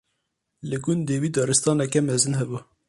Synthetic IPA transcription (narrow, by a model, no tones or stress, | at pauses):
lɨɡʊnd̪d̪eːviːd̪ɑːɾɨst̪ɑːnɛkɛmɛzɨnɦɛbu